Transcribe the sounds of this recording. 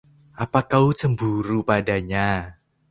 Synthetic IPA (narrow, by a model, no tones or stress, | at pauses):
ʔapakawt͡səmbuɾupadaɲa